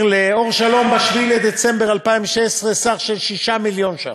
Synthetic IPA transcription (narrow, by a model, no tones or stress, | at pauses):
leo̞ʁʃalo̞mbaʃviled̪et͡sembeʁalpaimvʃesʁesaχʃelʃiʃamiljo̞nʃa̰n